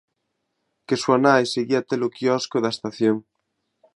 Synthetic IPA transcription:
keswanajseɣiat̪elokiɔskoðaest̪aθjoŋ

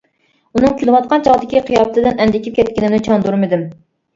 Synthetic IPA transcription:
unɨŋkʲylˠɨwɑt̪̚qɑnt͡ʃʰɑʁd̪ɪkʲʰiqʰijɑpɨt̪ʰɨd̪ɪnɛnd̪ɪkʲʰip̚kʲʰɛt̪̚ʲkʲɪnɪmnɪt͡ʃʰɑnd̪uɾmɪd̪ɪm

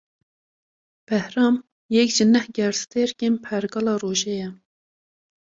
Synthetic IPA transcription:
b̥ɛhɾɑːm | jɛkʒɪnɛhɡɛɾst̪eɾkʲenpʰɛɾɡɑːlɑːroːʒɛjɛ

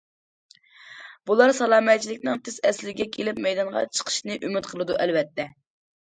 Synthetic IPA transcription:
b̥ulˠɑɾsɑlˠɑːmɛt̪̚t͡ʃʰːilɪkʲnɨŋt̪ʰezɛslɪɡʲɛkʲʰelɪpmɛjd̪ɑnʁɑ̰t͡ʃʰə̥qʰə̥ʃnɨʔymyt̪qʰəlˠɨd̪uʔɛlvɛt̪ʰːɛ

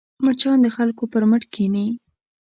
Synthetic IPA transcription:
mət͡ʃɑnd̪əxalkopəɾməʈkʰeni

